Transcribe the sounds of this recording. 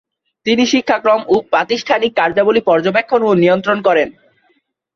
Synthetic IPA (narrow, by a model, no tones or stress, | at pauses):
t̪iniʃikʰːakɾomupɾat̪iʃʈʰanikːaɾd͡ʑabolipɔɾd͡ʑobekʰːononiont̪ɾonkɔɾen